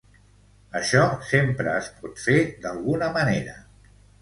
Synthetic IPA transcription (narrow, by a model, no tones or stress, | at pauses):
əʃɔsempɾəːspɔt̪fed̪əlˠɣunəməneɾə